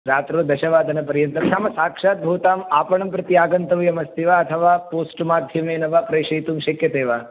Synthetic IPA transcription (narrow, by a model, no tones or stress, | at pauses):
ɾaːt̪ɾoːd̪ɐʃɐʋaːd̪ʱɐnɐpɐɾjɐnt̪ɐmtʰaːmɐsaːkʂaːt̪̚bʱuːt̪aːmaːpɐɳɐmpɾɐt̪ijaːɡɐnt̪ɐʋjɐmɐst̪iʋaːɐt̪ʰɐʋaːpoːsʈmaːd̪ʱjɐmeːnɐʋaːpɾɐjʃɐjt̪umʃɐkjɐt̪eːʋaː